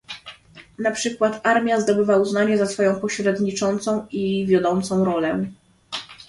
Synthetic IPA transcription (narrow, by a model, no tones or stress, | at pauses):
napʂɘkwat̪aɾmʲjazd̪ɔbɘvauznaɲɛzasfɔjɔ̃w̃pɔɕɾɛd̪ɲit͡ʂɔnt̪sɔ̃w̃ivʲjɔd̪ɔnt̪sɔ̃w̃ɾɔlɛ